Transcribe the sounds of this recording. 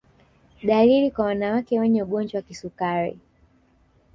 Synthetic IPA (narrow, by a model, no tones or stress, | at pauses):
ɗalilikwawanawakɛwɛɲɛuɠɔnd͡ʒɔwakisukaɾḭ